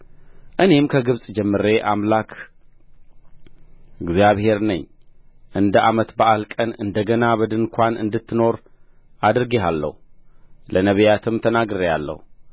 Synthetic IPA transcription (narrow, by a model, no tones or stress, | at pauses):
ʔɨne̞mkʰəɡɨβsʼd͡ʒɛmːɨɾe̞ʔamlakʰ | ɨɡzjaβhe̞ɾnəɲːʔɨnd̪əʔamət̪bəʔalkʼənɨ̰nd̪əɡənaβəd̪ɨnkʷanɨ̰nd̪ɨt̪ʰːɨno̞ɾ | ʔad̪ɨɾɡeɦalːə̰hulʔənəβəjat̪ʰɨmt̪ʰənaɡɾejalːə̰hu